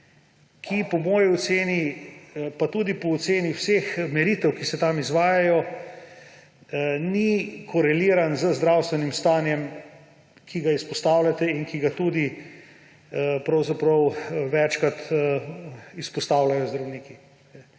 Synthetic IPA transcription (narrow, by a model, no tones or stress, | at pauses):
kʰipɔmɔːjiɔseːni | pat̪uːd̪ipɔːt̪seːniwsexmɛɾit̪ɛwkisɛt̪amizʋaːjajɔ | nikʰɔɾɛliːɾanzəzd̪ɾawst̪ʋɛnimst̪aːnjɛm | kʰiɡaispɔst̪aːwlat̪ɛinkiɡat̪uːd̪i | pɾɐwzapɾɐwʋɛt͡ʃkat̪ | ispɔst̪awlajɔzd̪ɾɐwniːki | ɛ